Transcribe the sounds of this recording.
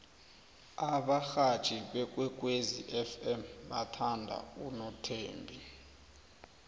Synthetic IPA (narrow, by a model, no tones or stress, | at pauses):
aɓaxḁt͡ʃʰʼiɓɛk̬ʼwɛk̬ʼweziʔɛfɛmɓatʰandʱa̰unɔtʰeːmbʱi